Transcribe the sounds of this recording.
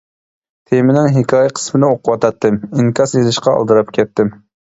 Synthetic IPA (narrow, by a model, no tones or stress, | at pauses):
t̪ʰemɪnɪŋɦɪkʲʰɑːjɛqʰə̥smɪnɪoqʰʊwɑt̪ʰɑt̪ːɨmiŋkʰɑsjezɪʃqɑɑ̰lˠd̪ɨɾɑpkʲʰɛt̪ːɪm